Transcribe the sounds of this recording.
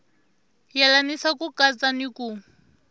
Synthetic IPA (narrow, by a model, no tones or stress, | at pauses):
jalanisakukat͡saniku